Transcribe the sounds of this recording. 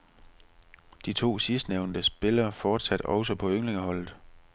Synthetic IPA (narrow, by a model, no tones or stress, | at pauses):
d̥it͡sʰo̝̰ːsisd̥neʊnd̥əsb̥e̝lɐːfɒːd̥sæd̥ɒ̽ʊsɒpʰɒ̽øŋle̝ŋəhɒ̽l̰ð̩ˠ